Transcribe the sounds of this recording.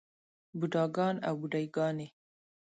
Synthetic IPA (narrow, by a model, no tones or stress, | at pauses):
buɖɑɡɑna̰wbuɖajɡɑne